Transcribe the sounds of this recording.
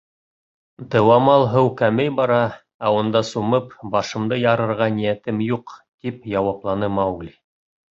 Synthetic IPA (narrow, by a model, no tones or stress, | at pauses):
d̪ɤ̆wɑmɑlˠɦɤwkæmɘjbɑɾɑ | æund̪ɑsumɤpbɑʃɤ̆md̪ɤjɑɾɤ̆ɾʁɑnijæt̪ɘmjuqt̪ipjɑwɑplˠɑnɤmɑwɡlʲi